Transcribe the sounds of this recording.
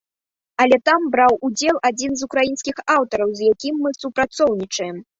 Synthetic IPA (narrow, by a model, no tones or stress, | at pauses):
ɐlʲɛt̪ambɾawud͡zʲɛlˠad͡zʲinzukɾajinskʲixawt̪ɐɾɐwzjakʲimːɨsupɾat̪sɔwnʲit͡ʂɐjɛm